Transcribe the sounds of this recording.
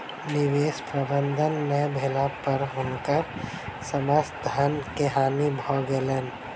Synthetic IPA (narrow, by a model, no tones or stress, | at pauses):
nɪʋeːʃpɾɐbənd̪ʱənːebʱelãpɐɾɦʊnka | səməsd̪ʱankeɦaːmibʱɔːɡelən